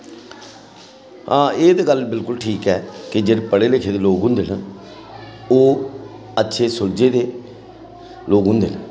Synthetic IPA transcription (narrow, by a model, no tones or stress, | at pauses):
ãːeːd̪aːɡəlbɪlkʊlʈʰiːkɛːkɪd͡ʒeːɽepəɽeːlekʰeːd̪eːloːɡɦʊ̃nd̪eːnə | oː | ətːʃʰeːsʊld͡ʒeːd̪eː | loːɡɦʊ̃nd̪ḛːnə